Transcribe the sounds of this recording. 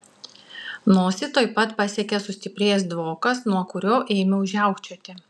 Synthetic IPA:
noːsʲɪt̪oːɪpɐt̪pɐsʲiɛkʲɛsʊsʲt̪ʲɪpʲɾʲeːjɛsd̪ʋoːkɐsnuɔkʊɾʲoːʔeːmʲɛʊʒʲæˑʊkt͡ʃʲot̪ʲɪ

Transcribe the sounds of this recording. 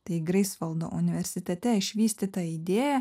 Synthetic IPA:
t̪ɐɪɡɾɐɪsʋɐlˠd̪o̰ːʔʊnʲɪʋʲɛɾʲsʲɪt̪ʲɛt̪ʲɛɪʃʲʋʲiːsʲt̪ʲiːt̪ɐid̪ʲeːjɛ

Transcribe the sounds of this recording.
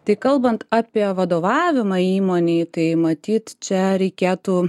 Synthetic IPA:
t̪ɐɪkɐlˠbɐnt̪ɑːpʲiɛʋɐd̪oːʋɑːʋʲɪmɐiːmoːnʲeːt̪ɐɪmɐt̪ʲiːt̪t͡ʃʲɛɾʲɛɪkʲeːt̪uː

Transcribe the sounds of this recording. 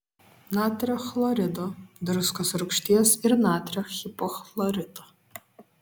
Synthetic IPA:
naːt̪ʲɾʲɛxlˠɔɾʲɪd̪od̪ɾʊskɐsɾʊkʃʲt̪ʲiɛsɪɾnaːt̪ʲɾʲɛxʲɪpɔxlˠɔɾʲɪd̪o

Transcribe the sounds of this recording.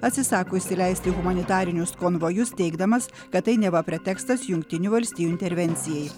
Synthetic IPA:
ɐt̪ʲsʲɪsɑːkoːɪʃʲsʲɪlʲɛɪsʲt̪ʲɪɣʊmɐnʲɪt̪ɑːɾʲɪnʲʊskoːnʋoːjʊst̪ʲɛɪɡd̪ɐmɐs | kɐt̪t̪ːɐɪnʲɛʋɐpʲɾʲɛt̪ʲɛːkst̪ɐsjʊŋkt̪ʲɪnʲuːʋɐlʲsʲt̪ʲiːjuɪnʲt̪ʲɛɾʲʋʲɛnʲt̪sʲɪjɛj

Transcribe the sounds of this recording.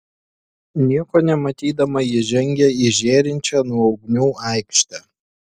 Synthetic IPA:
nʲiɛkoːnʲɛmɐt̪ʲiːd̪ɐmɐjɪʒʲɛŋʲɡʲɛiɪʒʲeːɾʲɪnʲt͡ʃʲɛːnuɔɒʊɡnʲuːʔɑˑɪkʃʲt̪ʲɛ

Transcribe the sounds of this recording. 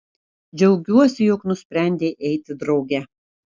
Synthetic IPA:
d͡ʒʲɛʊɡʲuɔsʲɪjoːknʊsʲpʲɾʲæˑnʲd̪ʲeːʔɛɪt̪ʲɪd̪ɾɐʊɡʲɛ

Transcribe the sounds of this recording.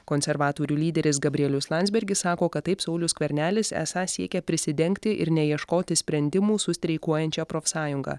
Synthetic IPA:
koːnʲsʲɛɾʋɑːt̪oːɾʲuːlʲiːd̪ʲɛɾʲɪs̬ɡɐbʲɾʲiɛlʲʊslˠɑnʲzʲbʲɛɾʲɡʲɪssɑːkoːkɐt̪ːɐɪpsɐʊlʲʊskʋʲɛɾʲnʲæːlʲɪsæ̰ːsɑːsʲiɛkʲɛpʲɾʲɪsʲɪd̪ʲɛŋkt̪ʲɪʔɪɾnʲɛjiɛʃkoːt̪ʲɪsʲpʲɾʲɛnʲd̪ʲɪmuːsʊsʲt̪ʲɾʲɛɪkuɔjɛnʲt͡ʃʲɛpɾoːfʲsɑːjʊŋɡɑ̰ː

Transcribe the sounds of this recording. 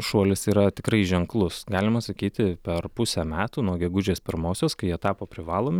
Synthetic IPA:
ʃuɔlʲɪsiːɾɐt̪ʲɪkɾɐɪʒʲɛŋklˠʊsɡɑːlʲɪmɐsɐkʲiːt̪ʲɪpʲɛrpʊsʲɛmʲæːt̪uːnuɔɡʲɛɡʊd͡ʒʲeːspʲɪɾmoːsʲoːskɐɪjɛt̪ɑːpoːpʲɾʲɪʋɑːlˠoːmʲɪ

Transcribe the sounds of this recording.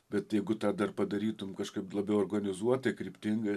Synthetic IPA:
bʲɛt̪jɛɪɡʊt̪ɑːd̪ɐrpɐd̪ɐɾʲiːt̪ʊmkɐʃkɐɪplˠɐbʲɛʊorɡɐnʲɪzuɔt̪ɐkɾʲiːpʲt̪ʲɪŋɡɐ

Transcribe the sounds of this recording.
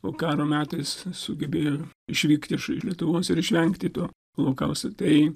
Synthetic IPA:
oːkɑːɾoːmʲæːt̪ɐɪssʊɡʲɛbʲeːjoːɪʃʲʋʲiːkt̪ʲɪʃɪ̰ʃlʲiɛt̪ʊʋoːsɪɾɪʃʲʋʲɛŋkt̪ʲɪt̪uː | lˠɐʊkɐʊst̪ot̪ɐɪ

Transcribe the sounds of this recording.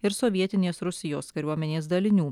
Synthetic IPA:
ɪɾsɔʋʲiɛt̪ʲɪnʲeːsɾʊsʲɪjoːskɐɾʲuɔmʲɛnʲeːsd̪ɐlʲɪnʲuː

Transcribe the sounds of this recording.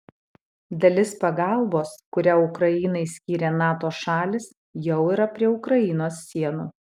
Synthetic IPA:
d̪ɐlʲɪspɐɡɑˑlˠboːskʊɾʲæːʊkɾɐjɪːnɐɪsʲkʲiːɾʲeːnɑːt̪oːʃɑːlʲɪs | jɛʊiːɾɐpʲɾʲiɛʊkɾɐɪnoːsːʲiɛnuː

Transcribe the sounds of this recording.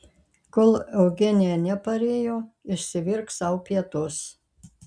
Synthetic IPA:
kolˠɛʊɡʲɛnʲɪjɛnʲɛpɐɾʲeːjoːɪʃʲsʲɪʋʲɪɾksɐʊpʲiɛt̪ʊs

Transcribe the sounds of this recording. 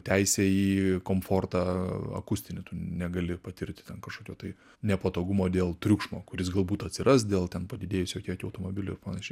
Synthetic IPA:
t̪ʲæɪsʲɛiːkoːmfoːrt̪ɑɐ̰kʊsʲt̪ʲɪnʲɪt̪ʊnʲɛɡɐlʲɪpɐt̪ʲɪrʲt̪ʲɪ̥t̪ʲɛnkɐʃkoːkʲoːt̪ɐɪ | nʲɛpɐt̪oːɡʊmoːd̪ʲeːlˠt̪ʲɾʲukʃmoːkʊɾʲɪs̬ɡɐlˠbuːt̪ɐtʲsʲɪɾɐs̬d̪ʲeːlˠt̪ʲɛnpɐd̪ʲɪdʲeːjʊsʲjoːkʲiɛkʲɪɐʊt̪oːmoːbʲɪlʲʊɪpɐnɐʃʲɛɪ

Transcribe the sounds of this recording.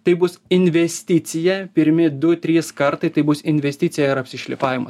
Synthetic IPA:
t̪ɐɪbʊsɪnʲʋʲɛsʲt̪ʲɪt̪sʲɪjɛpʲɪɾʲmʲɪd̪ʊt̪ʲɾʲiːskɐɾt̪ɐɪt̪ɐɪbʊsɪnʲʋʲɛsʲt̪ʲɪt̪sʲɪjɛɪɾɐpʲsʲɪʃʲlʲɪpɑːʋʲɪmɐs

